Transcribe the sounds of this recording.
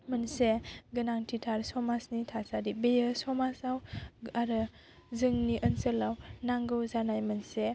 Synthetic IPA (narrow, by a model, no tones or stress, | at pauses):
mənseɡɯnaŋtʰitʰaɾsɔmasnitʰasadibejəsɔmasawaɾɯ | zɯŋniʔənsəlawnaŋɡɯwzanajmənse